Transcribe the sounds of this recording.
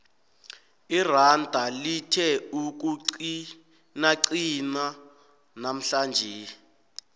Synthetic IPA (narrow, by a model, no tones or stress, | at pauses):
irandʱalitʰɛuk̬u | naǀina | nam̩ɬand͡ʒʱe